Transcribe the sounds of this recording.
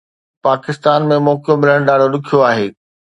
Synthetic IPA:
paːkɪst̪aːnmẽmɔːkjomɪləɽ̃ɗaːɽolʊkʰijoaːɦeː

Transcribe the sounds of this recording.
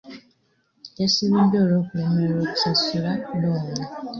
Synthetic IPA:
esiβidoːloːkulemeɾoːku̥sasuladoːŋa

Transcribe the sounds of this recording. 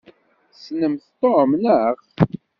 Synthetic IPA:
snəmθt̪ˤːomnəχ

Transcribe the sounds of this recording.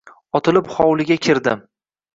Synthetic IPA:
ɒt̪ʰɪlɪpχɒwlɪɡʲakʲʰɪɾd̪ɪm

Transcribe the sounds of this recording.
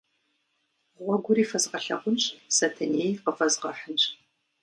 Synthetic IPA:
ʁʷɔɡʷʊɾiːfɐzqɐɬɐ̰qʷʊnɕsɐtʰɐneːjqəfɐzqɐħənɕʼ

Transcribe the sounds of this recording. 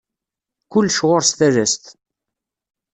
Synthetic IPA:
kʊlːʃʁʊɾst̪æɾæst̪

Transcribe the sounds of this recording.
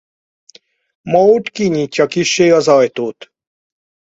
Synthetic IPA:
mɔuʈkiɲiːcːɒkiʃːeːɒzɒjt̪oːt̪

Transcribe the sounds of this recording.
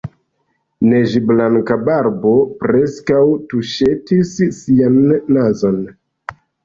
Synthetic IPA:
ne̞ʒiblaŋkabaɾbo̞pɾeskawtuʃe̞tisːianːazo̞n

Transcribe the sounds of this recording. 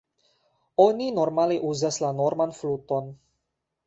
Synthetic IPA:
o̞nino̞ɾmaleʔuzaslanoɾmanfluto̞n

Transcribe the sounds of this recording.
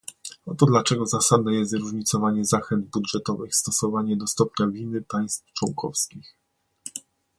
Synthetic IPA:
ɔt̪ɔd̪lat͡ʂɛɡɔzasad̪nɛjɛst̪zɾuʐɲit̪sɔvaɲɛzaxɛnd̪̚budʐɛt̪ɔvɘxst̪ɔsɔvaɲɛd̪ɔst̪ɔpɲavʲinɘpaj̃st̪ft͡ʂwɔŋkʰɔfskʲix

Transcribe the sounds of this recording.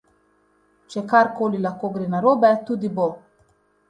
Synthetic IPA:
t͡ʃɛkaɾkoːlilaxkoːɡɾeːnaɾoːbɛt̪uːd̪ibo

